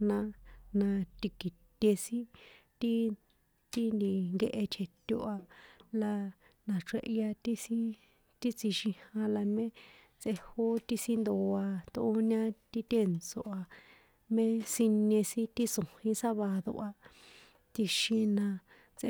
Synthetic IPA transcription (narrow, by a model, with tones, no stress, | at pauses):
nã˧nã˧t̪i˧ki˨t̪ʲe˧sĩ˦t̪i˦ | t̪i˦nd̪i˨ŋɡe˧ʔe˧t͡ʃʰe˧t̪ʲo˧ʔa˧la˧ | nã˨ʂe˧ʔja˧t̪i˦sĩ˦ | t̪i˦t͡si˧ʃĩ˧hã˧la˧mẽ˦ | t͡sʔe˧ho˦t̪i˦si˦nd̪o˧a˧t̪oː˧˦ɲã˦t̪i˦t̪e˦˨nt͡so˧ʔa˧ | mẽ˦si˧ɲẽ˧sĩ˦t̪i˦sõ˨hĩ˧sa˦βa˧ðo̰˧ʔa˧ | t̪i˧ʃĩ˧nã˧ | t͡sʔe˧